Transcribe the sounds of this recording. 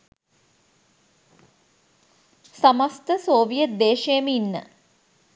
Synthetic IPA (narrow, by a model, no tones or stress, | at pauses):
samast̪əsoːʋijət̪̚d̪eːʃejəməinːə̰